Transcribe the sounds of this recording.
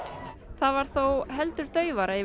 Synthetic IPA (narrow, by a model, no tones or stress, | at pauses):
θaðvaɾ̥θowɦɛlt̪ʏɾ̥t̪œːɥvaɾai